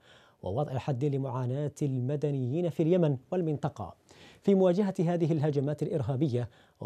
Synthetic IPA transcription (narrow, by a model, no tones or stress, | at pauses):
wɑ̰wɑd̪ˤʕɪħad̪ːɪlɪmʊʕaːnaːt̪almad̪anɪjːiːnafiːaljamanwalmɪnt̪ˤɑqɑ̰fiːmʊwaːd͡ʒaɦaɦaːðɪɦɪlɦad͡ʒamaːt̪alʔɪɾɦaːbɪjːa